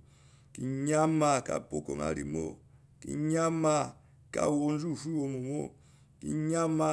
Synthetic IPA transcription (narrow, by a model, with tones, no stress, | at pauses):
ki˦ɲa˦ma˨ka̰˨po˨ko˨ŋa̰˨ɾḭ˨mo̰˦ | ki˦ɲa˦ma˦ | ka̰˦wo˦n˦zu˦˨fu˦wo˨mo˨mo̰˦ | ki˦ɲa˦ma˦